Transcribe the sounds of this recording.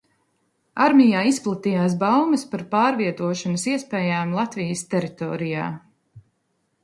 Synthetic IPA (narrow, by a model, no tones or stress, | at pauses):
aɾmʲijaːisplˠat̪ijaːs̬bawmɐspaɾpaːɾviɛt̪uɔʃɔnɐsiɛspɛːjaːmlˠat̪vijəst̪ɛɾit̪ɔ̰ːɾija̰ː